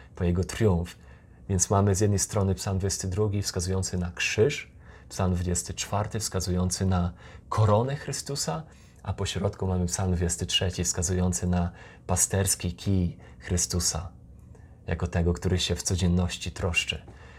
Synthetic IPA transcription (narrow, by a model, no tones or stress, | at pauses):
pɔjɛɡɔt̪ɾʲjũf | vʲjɛnt̪smamɘzʲjɛd̪nɛjst̪ɾɔnɘpsalmd̪vud͡ʑest̪ɘd̪ɾuɡʲifskazujɔnt̪sɘnakʂɘʂ | psalmd̪vud͡ʑest̪ɘt͡ʂfaɾt̪ɘfskazujɔnt̪sɘna | kʰɔɾɔnɛxɾɘst̪usa | ʔapɔɕɾɔt̪kumamɘpsalmd̪vud͡ʑɛst̪ɘtʂɛt͡ɕifskazujɔnt̪sɘna | past̪ɛɾskʲikʲi | xɾɘst̪usa̰ | ja̰kɔt̪ɛɡɔkt̪uɾɘɕɛft̪sɔd͡ʑɛnːɔɕt͡ɕit̪ɾɔʂt͡ʂɛ